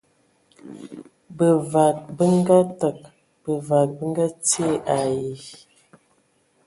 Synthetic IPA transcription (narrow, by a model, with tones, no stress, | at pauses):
bə˨va˨t̚bə˦ŋ˦ɡa˦tə˨k̚ | b̥ə˨va˨t̚bə˦ŋ˦ɡa˦t͡se˦˨ʔa˨ji˨